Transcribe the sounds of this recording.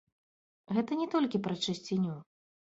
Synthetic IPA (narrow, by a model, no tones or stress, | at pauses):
ɣɛt̪ɐnʲɛt̪ɔlʲkʲipɾɐt͡ʂɨsʲt͡sʲenʲu